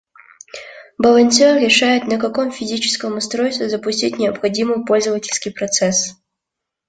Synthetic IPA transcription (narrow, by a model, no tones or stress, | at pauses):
bəlˠɐnʲsʲorɾʲɪʂajʊt̪nəkɐko̞mfʲɪzʲit͡ɕɪ̥skəmʊst̪ɾojst̪vʲɪzəpʊsʲtʲitʲnʲɪəpxɐdʲimɨpo̞lʲzəvətʲɪlʲskʲijpɾɐt̪sɛs